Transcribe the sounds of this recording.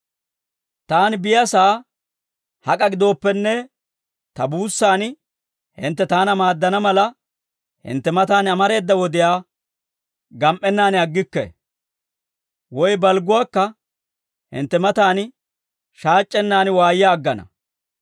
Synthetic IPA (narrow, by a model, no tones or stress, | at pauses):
t̪aːnbɪjɐsaː | hɐkʼɐɡɪd̪o̞ːpːɛnːɛ | t̪ɐbuːsːaːn | hɪ̰nt̪ːɛt̪aːnɐmaːd̪ːɐnɐmɐlɐ | hɪ̰nt̪ːɛmɐt̪aːnɐmɐɾe̞ːd̪ːɐwɔd̪ɪjaː | ɡɐmʔːɛnːaːnɪɐɡːɪkːɛ̰ | wɔjbɐlɡʊwaːkːɐ | hɪ̰nt̪ːɛmɐt̪aːn | ʃaːt͡ʃʼːɛnːaːnwaːjɪjaːɡːɐnɐ̰